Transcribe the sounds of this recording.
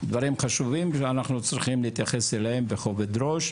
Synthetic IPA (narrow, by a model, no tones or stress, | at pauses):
d̪vaɾimχaʃuvimʃeanaχnut͡sɾiχimliit̪jaχe̞selehembeχoved̪ɾo̞ʃ